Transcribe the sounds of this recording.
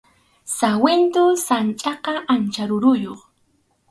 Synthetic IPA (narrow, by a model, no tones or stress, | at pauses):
sawent̪osant͡ʃʼɑqɑʔant͡ʃaɾʊɾʊjoχ